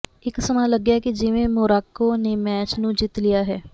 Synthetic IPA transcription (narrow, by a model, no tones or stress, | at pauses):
ɪksəmãləɡjakid͡ʒɪʋẽmʊːɾaːkːonemɛːt͡ʃnũd͡ʒit̪lijaɦɛː